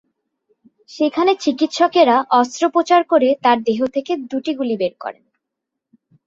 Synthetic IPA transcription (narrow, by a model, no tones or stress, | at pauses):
ʃekʰanet͡ɕikit̪ʃɔkeɾaʔɔst̪ɾopɾot͡ɕaɾkoɾet̪aɾd̪eɦot̪ʰeked̪uʈiɡulibeɾkɔ̰ɾḛn